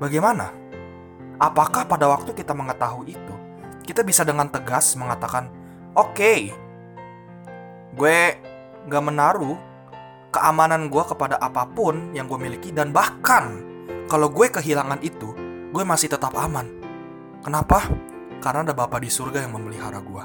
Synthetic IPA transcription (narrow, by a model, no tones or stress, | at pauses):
baɡajmana̰ | ʔapakahpadawak̚t̪ukit̪aməŋət̪aɦuiit̪u | kit̪abisadəŋant̪əɡasməŋat̪akan | ʔoke | ɡuɛ | ŋɡaʔmənaɾu | kəʔamananɡuakəpadaʔapapʊnjaŋɡuɛmilikidanbahkan | kalawɡuɛkəɦilaŋanit̪u | ɡuɛmasɪht̪ət̪ap̚aman | kənapa | kaɾənadabapadisurɡajaŋməmbəliɦaɾaɡua